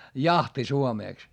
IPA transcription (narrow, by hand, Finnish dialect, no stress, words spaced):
jɑhti suomeˑks